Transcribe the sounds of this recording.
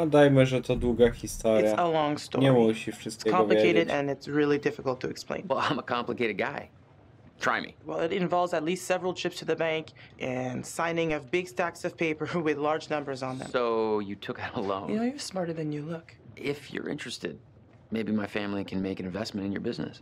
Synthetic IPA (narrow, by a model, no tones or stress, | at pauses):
adaɪməʒətʰaduɡakʰistɑɨɾsəlɔ̃ŋstɔ̰ɹwɛʃid͡ʒʌskʰɑ̃lɨkeɪɾɨɾɨ̃nɨtsɹɪlˠidɪfəkl̩ˠtʰɨɨksplḛ̃ɪ̃nwɛlˠãɪ̃məkʰɑ̃mpləkeɪɾɨd̚ɡaɪ | tʰɹ̥a̰ɪmḭwɛlˠɪɾɨ̃ɱvɑlˠvzɨtˡlistsɛvɹl̩ˠtʰɹ̥ɪpstʰɨðɨbæ̃ŋkʔɨ̃nsãɪ̃nɪ̃ŋʌvbɪɡstæksʌv̥pʰeɪpə˞wɪðlɑɹd͡ʒnʌ̃mbə˞zn̩ðɨ̰̃msoʊjɨtʰʊkɨɾəllõ̰ʊ̃jɨnnoʊjɨw̥smɑɹɾə˞ðɨ̃njɨlʊk | ʔɪfjə̰˞ʔɪ̰̃nt͡ʃɹ̥ɨstɪ̰d̚ | meɪbimaɪfæ̃mlikʰɨ̃nmeɪkɨ̃nɨ̃ɱvɛsmɨ̃ntɨ̃n̩jə̰˞bɪznɨ̰s